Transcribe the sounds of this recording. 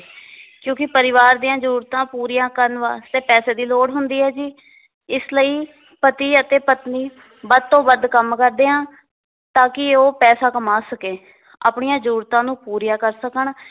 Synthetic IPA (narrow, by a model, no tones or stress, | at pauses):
kjõːkɪpəɾɪʋaːɾd̪ijãːd͡ʒəɾuːɾt̪ãːpuːɾijãːkəɾnʋa̰ːst̪eːpɛːseːd̪iːloːɽɦʊnd̪iːɦɛːd͡ʒiː | ɪsləiː | pət̪iːət̪eːpət̪niː | bəd̪̚t̪õːbəd̪kəmkəɾd̪eːãː | t̪ãːkɪoːpɛːsaːkəmaːsəkeː | a̰ːpɳɪjãːd͡ʒəɾuːɾt̪ãːnũːpuːɾjaːkəɾsəkəɳ